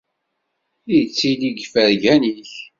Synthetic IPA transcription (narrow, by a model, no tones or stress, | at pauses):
ijt͡sːiliɡfəɾʝæniç